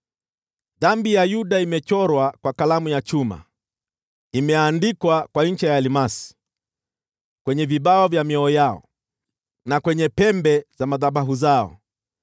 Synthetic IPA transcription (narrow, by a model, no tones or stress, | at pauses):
ðambijajuɗaimɛt͡ʃɔɾwakwakalamujat͡ʃuma̰ | imɛandikwakwaɲ̩t͡ʃɛjalimasi̥ | kwɛɲɛviɓaɔvjamiɔɔjaɔ̰ | nakwɛɲɛpɛmbɛzamaðaɓaɦuzaɔ̰